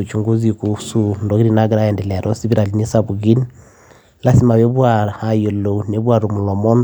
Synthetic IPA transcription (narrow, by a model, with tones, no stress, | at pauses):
u˨t͡ʃu˨ŋɡu˦zi˨ku˦su˦ndɔ˦ɡiɾi˦˨na˦ɡi˦ɾa˦jɛ˨ndɛ˨lɛ˨a˨ɾɔ˦si˦bi˦ɾa˨li˦ni˦sa˨bu˨ɡi˦n | la˦si˦ma˨βe˦βwa˨ha˨jo˨lo˨ne˨˦bwa˨ɾu˨mu˨lɔ˨mɔ˦n